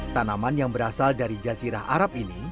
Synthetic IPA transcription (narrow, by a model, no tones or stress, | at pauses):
t̪anamanjaŋbəɾasaldaɾid͡ʒaziɾahʔaɾap̚ini